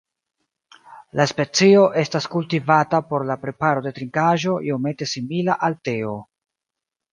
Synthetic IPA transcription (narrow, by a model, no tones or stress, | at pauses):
laspe̞t͡sio̞ʔe̞staskultivatapo̞ɾlapɾe̞paɾo̞de̞tɾiŋkaʒo̞io̞me̞te̞similaʔalte̞o